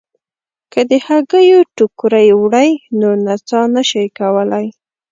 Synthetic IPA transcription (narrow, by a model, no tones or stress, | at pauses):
kəd̪əhaɡəjoʈʊkɾajwɽəjnonat͡sɑnaʃəjkawəlaj